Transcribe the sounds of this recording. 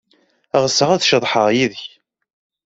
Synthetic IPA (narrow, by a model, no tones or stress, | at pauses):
ʁəsəʁæθʃəðˤħəʁjiðəç